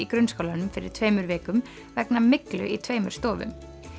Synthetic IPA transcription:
ikɾʏnskowlanʏmfɪɾɪ̰̥t̪ʰveːjmʏɾvɛːkʏm | vɛknamɪklʏ̰ʔit̪ʰveːjmʏɾ̥st̪ɔːvʏ̰m

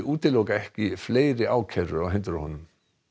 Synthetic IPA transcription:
ʔuːt̪ɪlowkaɛhcɪfleːjɾɪaːwcʰɛɾʏawɦɛnt̪ʏɾahɔnʏm

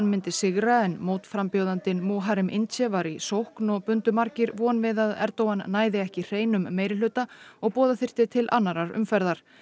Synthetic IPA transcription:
nmɪnt̪ɪsɪɣɾaɛnmoːwt̪fɾampjoːwðant̪ɪnmoːɦaɾɪmʔɪ̰nt̪t͡ɕɛvaɾisowhknɔɣpʏnt̪ʏmaɾcɪɾvɔnvɪðaðɛ̰ɾt̪oːwanːaːjðɪɛhcɪr̥eːjnʏmːeːjɾɪlʏːt̪aɔɣpɔːðaθɪr̥t̪ɪt̪ʰɪlʔa̰nːaɾaɾʏ̰mfɛɾðaɾ̥

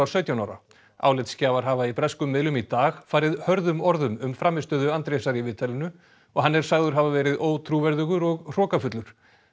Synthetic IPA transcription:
aɾsœɥt̪jawnawɾa̰ | a̰ːwlɪt̪scaːvaɾ̥ɦaːvaipɾɛskʏmːɪðlʏmit̪aːɣfaːjɾɪðhœɾðʏmɔɾðʏmʏmfɾaːmɪst̪œːðʏant̪ɾesaɾivɪːt̪ʰalʏnʏ | ɔɣɦanːɛɾ̥saɣðʏɾ̥ɦavavɛːɾɪðoːwt̪ʰɾuvɛɾðʏɣʏɾɔɣr̥ɔːkafʏt̪lʏɾ̥

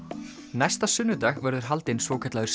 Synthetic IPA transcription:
najst̪asʏnːʏt̪axvɛɾðʏɾ̥ɦalt̪ɪnsvɔːkʰɛt̪aɣʏɾ̥s

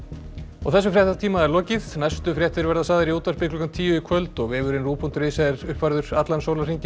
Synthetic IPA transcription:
ɔɣθɛs̬ːʏfɾjɛht̪t̪ʰiːmaðɛɾlɔːcɪðnajst̪ʏfɾjɛht̪ɪɾvɛɾðasaːðɪɾiuːt̪aspɪkʰlʏkamt̪ʰiːjʏikʰvœlt̪ɔɣvɪːvʏɾɪnruːpʰunt̪ɾeːjsaðɛɾ̥ʏhpvaɾðʏɾ̥at̪lansowlariɲcɪ

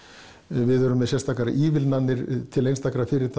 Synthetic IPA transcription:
vɪðœɾʏmːɛðsjɛst̪aːkaɾa̰ʔiːvɪlnanːɪɾt̪ʰɪlejnst̪ʰaːkaɾafɪɾɪɾ̥t̪ʰ

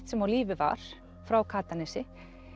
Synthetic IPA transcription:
t̪sɛmawliːvɪva̰ɾ̥ | fɾawkʰaːt̪anɛsɪ

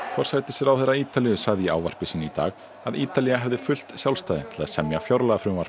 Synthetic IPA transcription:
fɔɾ̥sajt̪ɪsɛɾawθɛjɾaiːt̪aliʏsaɣðɪia̰ːwvar̥pɪsiːnʏit̪a̰ːɣ | aðiːt̪aliaɦɛvðɪfʏl̥t̪sjawlst̪aːðɪ̰t̪ʰɪlaðsɛmjafjawɾlaɣafɾʏmvar̥pɪ̥

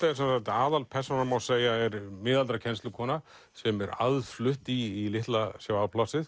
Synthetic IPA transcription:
t̪aɛɾ̥sɛnsajt̪aːðalpʰɛr̥sɔnamawseːjaɛɾmɪːðalt̪ɾacʰɛnst̪lʏkʰɔːna | sɛmɛɾa̰ðflʏht̪iːlɪht̪lasjaːwawpʰlasɪð

